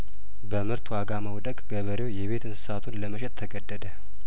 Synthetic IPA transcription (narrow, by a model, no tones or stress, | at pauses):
bəmɨɾt̪ʰwaɡaməwd̪əkʼɡ̥əβəɾewjɛβe̞t̪ɨnsɨ̥sat̪ʰunləməʃɛt̪̚t̪ʰːəɡəd̪ːəd̪ə